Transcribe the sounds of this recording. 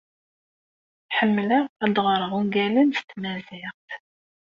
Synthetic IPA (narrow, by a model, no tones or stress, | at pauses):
ħəmːləæd̪ʁɾˤəʁuŋɡælənst̪ːmæzɪʁt̪